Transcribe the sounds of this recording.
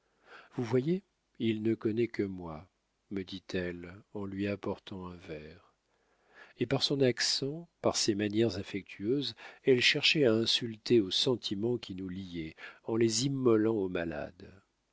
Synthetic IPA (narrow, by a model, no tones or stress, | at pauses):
vuvwaje | ilnəkɔnɛkəmwa | məd̪it̪ʰɛlɑ̃lɥiapɔʁt̪ɑ̃ɛ̃vɛʁ | epaʁsɔ̃naksɑ̃paʁsemanjɛʁzafɛk̚t̪ʰyøzɛlʃɛʁʃɛaɛ̃sylt̪eosɑ̃t̪ʰimɑ̃kʲinulijɛɑ̃lezimːɔlɑ̃omala̰d̪